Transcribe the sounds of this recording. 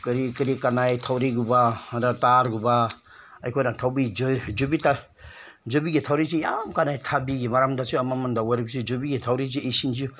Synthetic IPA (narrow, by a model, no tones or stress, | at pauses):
kɾikiɾikanajtʰawɾiɡubadataɾɡuba | ɐjkʰojnatʰawbid͡ʒd͡ʒubita | d͡ʒobiɡitʰawɾis̬ijamkanajtʰabiɡimaɾamdasuamamandawajɾɯk̚sid͡ʒobiɡitʰawɾiz̬iejsinziu